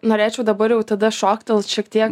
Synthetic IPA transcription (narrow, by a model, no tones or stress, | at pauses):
noːɾʲeːt͡ʃʲɛʊd̪ɐbɐɾjɛʊt̪ɐd̪ɐʃoːkt̪ʲɪlˠʃʲiɛkt̪ʲiɛk